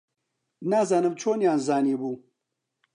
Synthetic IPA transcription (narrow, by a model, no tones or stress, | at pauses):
naːzaːnɨmt͡ʃʰoːnjaːnzaːniːbuː